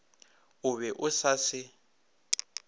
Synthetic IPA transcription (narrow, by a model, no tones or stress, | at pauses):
ʊβɛʔʊsasɪ